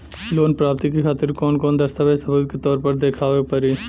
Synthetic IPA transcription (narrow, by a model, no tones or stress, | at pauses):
loːnpɾaːp̚t̪ikexʰaːt̪ɪɾkɔːnkɔːnd̪ɐst̪aʋesəbəd̪ket̪ɔːɾpəɾd̪eːkʰaːʋepɐɾiː